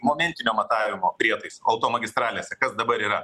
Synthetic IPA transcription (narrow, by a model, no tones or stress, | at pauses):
moːmʲɛnʲt̪ʲɪnʲoːmɐt̪ɑːʋʲɪmoːpʲɾʲiɛt̪ɐɪsɐʊt̪oːmɐɡʲɪst̪ɾɑːlʲeːsʲɛkɐsd̪ɐbɐɾiːɾɐ